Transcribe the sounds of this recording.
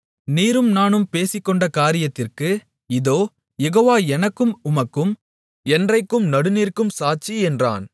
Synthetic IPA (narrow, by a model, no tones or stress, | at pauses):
niːɾɯmnaːnɯmpeːsɪkːɔɳɖɐkaːɾɪjɐt̪ːɪrkɯ | ɪðoː | jɛɣoːʋaːɛnɐkːɯmʊmɐkːɯm | ɛndrɐɪkːɯmnɐɽɯniːrkɯmsaːt͡ʃiɛndra̰ːn